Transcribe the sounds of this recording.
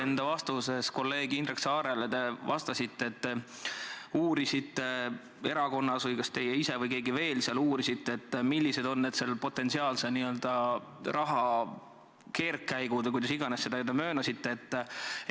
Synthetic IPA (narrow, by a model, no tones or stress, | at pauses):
end̪̥ɑvɑst̪use̞sko̞lːe̞ːɡ̥iind̪reksɑːɾelet̪e̞vɑ̰st̪ɑsit̪ːeːt̪ːe | uːɾisit̪ːe̞ | e̞ɾɑko̞nːɑsvɤjkɑst̪e̞jeise̞vɯjke̞ːɡive̞ːlseɑluːɾisit̪ːeːt̪ːmilʲːise̞d̪o̞nːe̞d̪̥selpo̞t̪ːˑe̞nsiɑːlseniø̞ld̪̥ɑ | rɑɦɑ | ke̞ːrkːæjɡud̪ek̬ujd̪ɑsiɡ̥ɑnesːe̞d̪ɑed̪ɑmøːnɑsit̪ːe̞ːt̪ː